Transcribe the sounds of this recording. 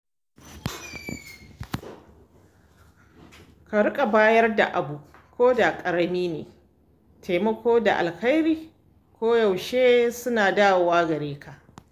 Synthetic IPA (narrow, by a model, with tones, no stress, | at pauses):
ka˨ɽʊ˦kʼa˨baː˦jɐ˦rda̰˨ʔa˨bu˨kʷʰoː˦da˨kʼɐ˨ɾɐ˦niː˦nḛː˨ | tʰeː˨mɐ˦kʷoː˦da̰˨ʔa̰˨lka˦jɾiː˦ | kʷoː˦ja˨wʃeː˦sʊ˦naː˨daː˦wwaː˦ɡɐ˨ɾeː˦kʰa˨ʔ